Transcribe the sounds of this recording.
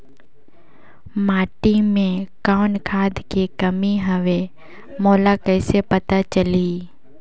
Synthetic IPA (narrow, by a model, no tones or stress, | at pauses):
maːʈimẽkaːnkʰaːd̪kekɐmiɦəʋe | moːlakɛːsepɐt̪at͡ʃəli